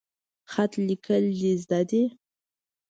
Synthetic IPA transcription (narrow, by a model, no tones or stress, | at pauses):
xat̪likʰəlːizd̪ɑd̪e